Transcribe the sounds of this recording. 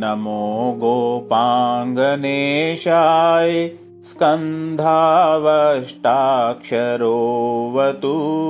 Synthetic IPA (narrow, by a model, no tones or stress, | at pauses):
nɐmoːɡoːpaːŋɡɐneːʃaːji | skɐnd̪ʱaːʋɐʂʈaːkʂɐɾoːʋɐt̪u